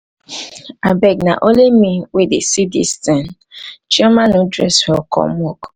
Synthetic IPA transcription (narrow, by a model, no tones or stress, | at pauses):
abɛɡna̰ʔolemĩwedesidḭstɛ̃n | d͡ʒiɛmãnodɾɛ̰shɔkɔ̰mɔk